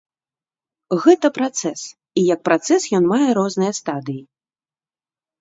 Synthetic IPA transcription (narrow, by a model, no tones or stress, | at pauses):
ɣɛt̪ɐpɾat̪sɛs | ijɐk̚pɾat̪sɛsjɔnmajɛɾɔznɨjɐst̪ad̪ɨji